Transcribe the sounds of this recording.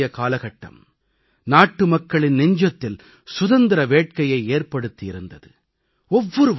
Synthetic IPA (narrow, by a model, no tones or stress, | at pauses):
jɐkaːlɐɣɐʈːɐ̰m | naːʈːɯmɐkːɐɭɪnnɛɲd͡ʒɐt̪ːɪl | sʊðɐnd̪ɪɾɐʋeːʈ̚kɐjɐɪeːrpɐɽɯt̪ːiɪɾɯnd̪ɐðɯ | ɔʋːɔɾɯ